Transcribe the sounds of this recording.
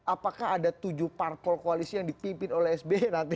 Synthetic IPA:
ʔapakaɦadat̪ud͡ʒuhparpɔlkoalisijaŋdipimpɪnolɛɦɛsbenant̪i

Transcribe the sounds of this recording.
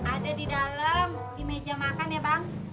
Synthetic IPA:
adadidalam | dimed͡ʒamakanjabaŋ

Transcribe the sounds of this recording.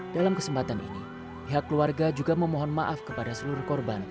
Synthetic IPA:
dalamkəsəmpat̪anḭni | piɦakːluarɡad͡ʒuɡaməmɔɦɔnmaʔafkəpadasəluɾʊhkɔrban

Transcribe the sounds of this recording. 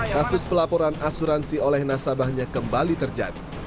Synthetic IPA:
kasʊspəlapoɾanasuɾansiolɛhnasabahɲakəmbalit̪ərd͡ʒa̰di

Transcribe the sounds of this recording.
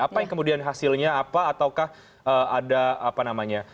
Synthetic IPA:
apajaŋkəmudianɦasɪlɲaːpaːt̪awkah | ʔəːadaapanamaɲa

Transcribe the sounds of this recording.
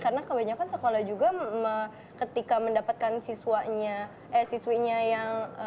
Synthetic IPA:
kaɾənakəbaɲakansəkolahd͡ʒuɡamə | kət̪ikaməndapat̪̚kansisuaɲa | ʔɛsiswiɲajaŋ

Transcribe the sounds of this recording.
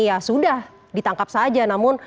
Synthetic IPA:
jasudah | dit̪aŋkap̚sad͡ʒanamʊn

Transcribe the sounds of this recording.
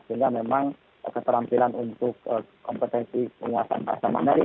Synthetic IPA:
səiŋɡamemaŋ | kət̪əɾampilanunt̪ʊkəkːɔmpət̪ɛnsipəŋua̰sa̰nba̰sanma̰naɾi

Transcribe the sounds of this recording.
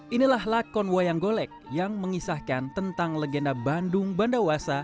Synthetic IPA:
ʔinilahlakɔnwajaŋɡolɛk̚jaŋməŋisahkant̪ənt̪aŋləɡendabandʊŋbandawasa

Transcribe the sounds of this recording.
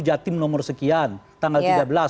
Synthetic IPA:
d͡ʒat̪imnɔmɔrsəkiant̪aŋɡalt̪iɡabəla

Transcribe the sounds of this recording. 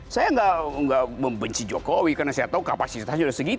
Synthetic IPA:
sajaŋɡaʔŋɡaʔməmbəɲt͡ʃid͡ʒokowikarnasajat̪aukapasist̪aanudahsəɡi

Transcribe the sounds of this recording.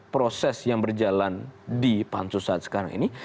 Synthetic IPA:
pɾosɛsjaŋbərd͡ʒalandipansusat̪sə̥kaɾaŋḭni

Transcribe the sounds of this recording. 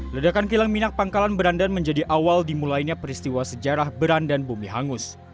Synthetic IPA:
lədakankilaŋminak̚paŋkalanbəɾandanməɲd͡ʒadiʔawaldimulajɲapəɾist̪iwasəd͡ʒaɾahbəɾandanbumiɦaŋʊs

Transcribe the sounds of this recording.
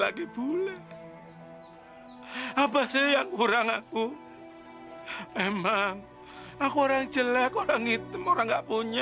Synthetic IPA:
laɡib̥ulɛ | abasejaŋkuɾaŋaku | emaŋ | akuoɾaŋ̥d͡ʒəlɛkoɾaŋit̪əmoɾaŋɡaʔpuɲa

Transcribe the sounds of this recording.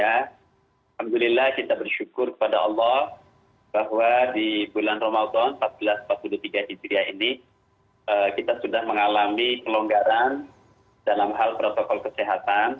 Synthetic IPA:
a | lhamd̪ulilahkit̪abərʃukʊrkə̥pada̰ɑlːɔh | baɦwadibulanromad̪ɔnmpat̪̚bəlasmpat̪̚pulut̪iɡaɦid͡ʒɾiaini | ʔəkit̪asudahməŋalamipəloŋɡaɾan | dalamɦalpɾot̪okɔlkəseɦat̪an

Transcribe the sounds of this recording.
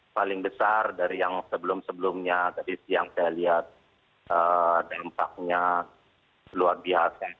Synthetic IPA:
palɪŋbəsardaɾijaŋsəbəlʊmsəbəlʊmɲat̪adisiaŋsajaliɦat̪̚ | ədampak̚ɲa | luarbiɦasa

